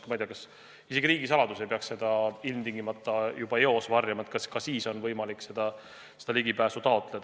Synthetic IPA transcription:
mɑjd̪eɑkɑs | ise̞ɡ̥iɾiːɡisɑlɑd̪usepeɑkse̞d̪̥ɑilmt̪iŋɡ̥imɑt̪ːˑɑjub̥ɑeo̞svɑrjɑmɑet̪̚kskɑsiːso̞nvɤjmɑlikse̞d̪̥ɑ | sed̪ɑliɡ̥ipæːsut̪ɑo̞t̪ːˑle̞d̪̥

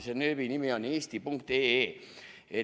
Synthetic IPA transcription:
senøːʋinimioniːst̪ipuŋkt̪eːeː | e

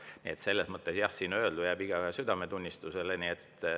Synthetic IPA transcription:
nḭet̪se̞lːesmɤt̪ːˑe̞sjɑhsiːnøld̪ujæb̥iɡ̥ɑsyd̪̥ɑme̞t̪unʲːist̪useleniet̪ː

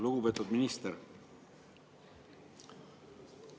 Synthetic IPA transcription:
luɡupet̪ːˑud̪minist̪eɾ

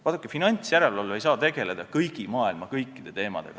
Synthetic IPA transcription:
vɑt̪ukːˑefinɑnʲsjæɾe̞lɑlːe̞jsɑːt̪e̞ɡ̥e̞le̞d̪ɑkɤjɡ̥imɑːilmɑkɤjkːˑid̪̥e̞t̪e̞ːmɑ̰d̪e̞ɡ̥ɑ

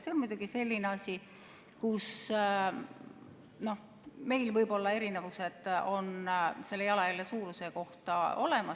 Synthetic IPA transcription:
se̞onmujd̪uɡ̥ise̞lʲːineɑsʲi | kus | no̞h | me̞jlvɤjbo̞lːɑe̞ɾine̞vuse̞d̪̥o̞nse̞lːejɑlɑjɑlːesuːɾuse̞ko̞ht̪ɑo̞̰le̞mɑs

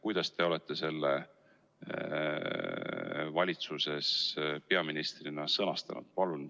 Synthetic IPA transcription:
kujd̪̥ɑst̪e̞o̞le̞t̪ˑːe̞se̞lːḛ | vɑlʲit̪suse̞spe̞ɑminist̪rinɑsɤnɑst̪ɑ̰nṵd̪̥pɑlun

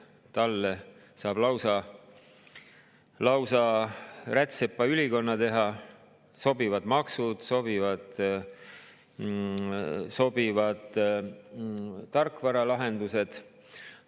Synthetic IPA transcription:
t̪ɑlːe | sɑːb̥lɑwsɑ | lɑwsɑræt̪sepːɑyliko̞nːɑt̪e̞ɦɑ | so̞bivɑd̪mɑksud̪̥so̞bivɑd̪̥ | so̞b̥ivɑd̪̥ | ɑrkːˑvɑɾɑlɑɦe̞nd̪use̞d̪̥

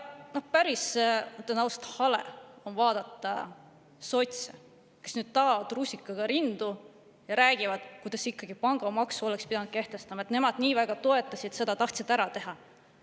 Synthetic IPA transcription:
nohpæɾist̪ːenɑwst̪hɑlḛo̞nvɑːd̪̥ɑt̪ːˑɑ̰ | so̞t̪ʲse | ke̞snyːd̪̥t̪ɑːvɑd̪ruːsʲikːˑɑɡ̥ɑɾind̪u | jɑɾæːɡ̥ivɑd̪̥kujd̪̥ɑsikˑːɑɡ̥ipɑŋɡ̥ɑmɑksuo̞lekspid̪̥ɑnud̪̥ke̞ht̪e̞st̪ɑmɑet̪ne̞mɑd̪̥niːvæɡ̥ɑt̪o̞e̞t̪ːˑɑsid̪̥se̞d̪̥ɑt̪ɑht̪sid̪̥æɾɑt̪e̞ɦɑ

